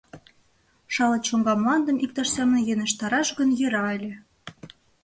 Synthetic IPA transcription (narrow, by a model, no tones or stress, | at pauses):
ʃɑlɤ̆ʃoŋɡɑmlɑnd̪ə̆mʔik̚t̪ɑʃsʲæmənjenə̆ʃt̪ɑɾɑʃɣənjĕɾɑelʲĕ